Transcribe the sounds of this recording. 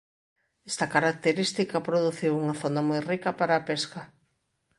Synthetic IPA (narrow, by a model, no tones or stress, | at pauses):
ɛst̪ɐkaɾak̚t̪eɾist̪ikɐpɾoðuθiwuŋɐθonɐmojrikɐpaɾaːpeskɐ